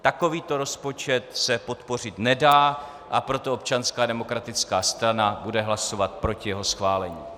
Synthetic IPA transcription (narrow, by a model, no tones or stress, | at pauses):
t̪ako̞viːt̪o̞ɾo̞spo̞t͡ʃɛt̪sɛpo̞t̪po̞r̝ɪt̪nɛdaː | ʔapɾo̞t̪oop̚t͡ʃanskaːdɛmo̞kɾat̪ɪt͡skaːst̪ɾanabudɛɦlaso̞vat̪̚pɾo̞cɪjɛɦo̞sxvaːlɛɲiː